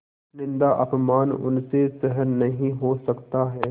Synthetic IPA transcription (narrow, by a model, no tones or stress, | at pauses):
nɪ̃nd̪aʔɐpmaːnʊ̰nsesɛɦəɾnɐɦĩɦosɐkt̪aɦɛː